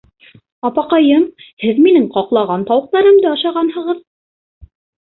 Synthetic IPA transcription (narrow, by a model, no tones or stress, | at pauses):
ɑpɑqɑjɤmhɘðminɘŋqɑqlˠɑʁɑnt̪ɑwɤ̆q̚t̪ɑɾɤmd̪æɑʃɑʁɑnhɤ̆ʁɤð